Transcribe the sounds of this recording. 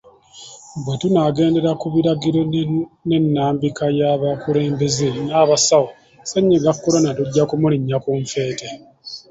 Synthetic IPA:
bwetunaɡe̞ːnde̞ɾakuβiɾaɡiɾone̞nːaːmbikajaβakuɾe̞ːmbe̞zenaːβasawo | seɲːeɡakːoɾonatuɟːakumuliɲːakuɱfe̞ːte

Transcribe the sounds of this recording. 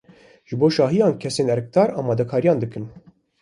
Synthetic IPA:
ʒɨboːʃɑːɦijɑːnkʲʰɛseːnɛɾɛk̚t̪ɑːɾɑːmɑːd̪ɛkʰɑːɾijɑ̃ːnd̪ɨkɨm

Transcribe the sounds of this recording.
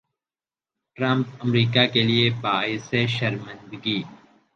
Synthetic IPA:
ʈɾɐ̃mpɐmɾiːkakeliebaːɪseʃɐɾmə̃nd̪ɡiː

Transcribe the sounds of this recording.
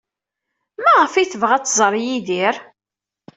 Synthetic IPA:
mæʁəfiθəvʁæt͡sːzˤɾˤjiðiɾ

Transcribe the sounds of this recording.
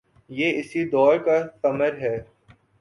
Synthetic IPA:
jeːɪsid̪ɔːɾkat̪ɐməɾɦɛː

